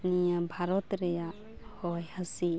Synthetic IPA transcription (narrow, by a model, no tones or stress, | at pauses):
nijabʱaɾɔt̪ɾeja | hɔjhasi